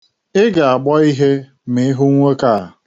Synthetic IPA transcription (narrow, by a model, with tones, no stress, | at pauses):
ɪ˦ɡa˨a˨ɡ͡bɔ˦i˦ɦe˦ | me˨˦ɦʊ˦ŋʷe˦ka˦˨